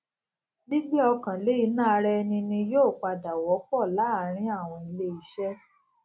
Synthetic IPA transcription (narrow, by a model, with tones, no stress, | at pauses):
bi˦ɡ͡bi˦ɔ˧kã˨le˨˦i˨˦nãː˦˨˧ɾɛ˦˧nĩ˧nĩ˧joː˦˨k͡pa˧da˨wɔ˨˦k͡pɔ˦˨la˨˦ɾ̃ĩ˦a˦˨w̃ɔ̃˧i˧le˦i˨˦ʃɛ˦